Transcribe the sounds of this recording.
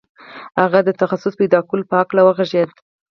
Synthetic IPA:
haɣad̪ət̪axasʊsped̪ɑkulpəhaklawəɣaʒed̪

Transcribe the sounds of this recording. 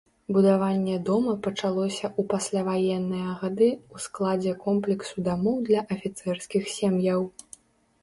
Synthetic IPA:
bud̪avanʲːɛd̪ɔmɐpɐt͡ʂalˠɔsʲɐʔupasʲlʲavajɛnːɨjɐɣad̪ɨusklˠad͡zʲɛkɔmplʲɛksud̪amɔwd̪lʲɐʔɐfʲit̪sɛrskʲixsʲemjɐw

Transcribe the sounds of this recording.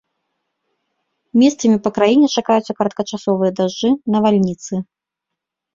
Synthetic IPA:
mʲɛst̪sɐmʲipɐkɾajinʲɛt͡ʂakajut̪sːɐkɐɾɐt̪̚kɐt͡ʂasɔvɨjɐd̪aʐd͡ʐɨnɐvalʲnʲit̪sɨ

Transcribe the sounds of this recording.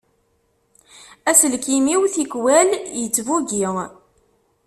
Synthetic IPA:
æsəlkimiwθikwæljət͡sːvuɡiʁ

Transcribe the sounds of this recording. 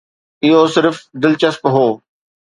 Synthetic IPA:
ɪɦoːsɪɾfd̪ɪlt͡ɕɐspɦoː

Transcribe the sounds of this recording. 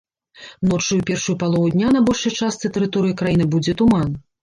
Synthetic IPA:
nɔt͡ʂujupʲɛrʂujupalˠɔvud̪ʲnʲanɐbɔlʲʂɐjt͡ʂast̪sɨt̪ɛɾɨt̪ɔɾɨjɐkɾajinɨbud͡zʲɛt̪uman

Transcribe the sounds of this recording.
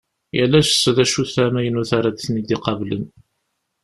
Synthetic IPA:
jælːæʃəsːðæʃuθæmæjənuθaɾad̪θnid̪iqɑvlən

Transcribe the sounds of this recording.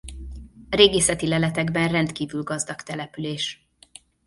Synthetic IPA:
reːɡeːsɛt̪ilɛlɛt̪ɛɡbɛnrɛnt̪kiːvylɡɒzd̪ɒkt̪ɛlɛpyleːʃ

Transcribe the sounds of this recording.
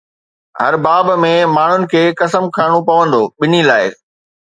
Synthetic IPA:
ɦɐ̰ɾbaːbmẽmaːɳ̤ʊnɪ̆kʰeːkɐsəmkʰaːɽ̃opɐʋə̃nd̪oːɓɪn̤ilaːɪ

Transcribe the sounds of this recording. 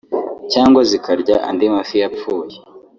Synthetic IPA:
caːŋɡwazikaɾɟaʔa̰ndimafijapp͡fuːje̥

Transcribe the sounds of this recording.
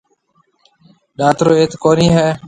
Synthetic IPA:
ɗaːt̪ɾoːeːt̪koːniːɦɛː

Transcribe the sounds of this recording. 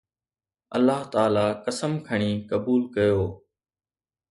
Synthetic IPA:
ə̰lːaːɦt̪aːlaːkəsəmkʰəɳ̃iːkəbuːlkəjoː

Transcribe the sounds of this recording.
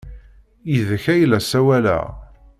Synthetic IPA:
jiðəçæjlæsæwælæ̰

